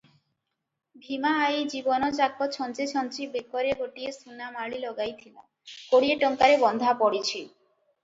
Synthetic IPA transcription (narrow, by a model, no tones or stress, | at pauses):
bʱimaajd͡ʑibonot͡ɕak̚pot̪ʃʰɔnt͡ɕet͡ɕʰɔnt͡ɕibekoɾeɡoʈiesunːamaɭilɔɡajt̪ʰila̰ | koɽieʈɔŋkaɾebɔnd̪ʱapɔɽit͡ɕʰi